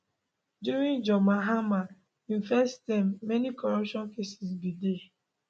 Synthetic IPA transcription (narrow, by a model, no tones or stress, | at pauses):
djuɹĩnd͡ʒɔmaɦama | ĩnfɛstãmːɛnikɔɹɔpʃɔ̃nkesisbide